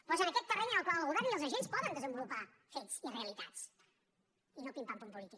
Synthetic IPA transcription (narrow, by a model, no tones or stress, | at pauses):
pɔzənəkɛt̪ːərɛɲnəlˠkwalˠɣuðɛɾiəlˠzəʒenspɔðənd̪əzəmbulupa | fetsireəlit̪at͡s | inopimp̪ampumpulit̪ik